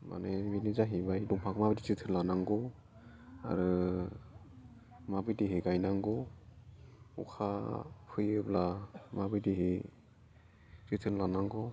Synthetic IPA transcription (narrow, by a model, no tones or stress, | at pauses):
ma̰neminizaɦibajduŋpʰakʰɯmabidizitʰɯɾlanaŋɡɔ | a̰ɾɯ | mabɯjdiɦiɡajnaŋɡɔ | ṵkʰapʰɯjɯblamabɯjdiɦi | sitʰɯnlanaŋɡɔ